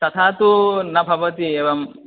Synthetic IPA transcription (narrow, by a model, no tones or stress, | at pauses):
t̪ɐt̪ʰaːt̪unɐbʱɐʋɐt̪ieːʋɐm